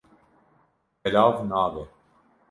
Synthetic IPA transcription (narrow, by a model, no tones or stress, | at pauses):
ɛlaːvnaːvɛ